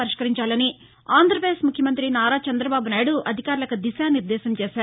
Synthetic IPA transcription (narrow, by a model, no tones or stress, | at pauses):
ɐɾiʂkɐɾiɲt͡ʃaːlɐni | aːnd̪ɾɐpɾeːsmukʰjɐmɐnt̪ɾinaːɾaːt͡ʃɐnd̪ɾɐbaːbunaːjɽuʔɐd̪ʱikaːɾulɐkud̪iʃaːniɾd̪ɛːsɐmt͡ʃɛːʃaːɾu